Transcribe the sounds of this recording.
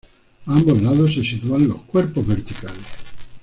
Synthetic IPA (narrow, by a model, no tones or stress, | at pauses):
ambozlaðosːesit̪uanlohkwɛɾpovvert̪ikales